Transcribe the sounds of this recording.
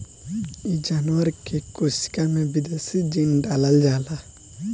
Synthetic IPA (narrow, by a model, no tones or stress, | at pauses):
id͡ʒaːnwəɾkekʊsi̥kamẽbɪd̪eːsid͡ʒinɖaːləld͡ʒaːla